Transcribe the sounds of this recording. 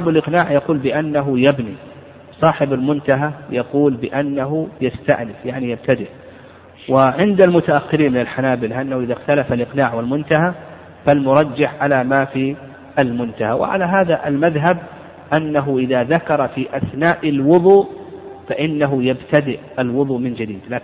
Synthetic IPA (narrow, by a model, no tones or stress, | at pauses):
balʔɪqnaːʕjɑquːlbɪʔanːaɦʊjabni | sˤɑːħɪbalmʊnt̪aɦajɑquːlbɪʔanːaɦʊjast̪a̰ʔnɪfjaʕnijab̚t̪ad̪ɪʔ | wɪʕɪnd̪almʊt̪aʔaxːɪɾiːnmɪnalħanaːbɪlaʔanːahuʔɪðaxt̪alafalʔɪqnaːʕwɪlmʊnt̪aɦa | falmʊɾˤɑd͡ʒːɪħʕalamaːfi | ʔalmʊnt̪aha̰wɪ̰ʕa̰laɦaːðaʔalmaðɦab̚ | ʔanːaɦʊʔɪðaðakɑɾˤɑfiʔaθnaːʔɪlwʊðˤuːfaʔɪnːaɦʊjabt̪ad̪ɪʔalwʊðˤuːmɪnd͡ʒad̪iːd̪laːk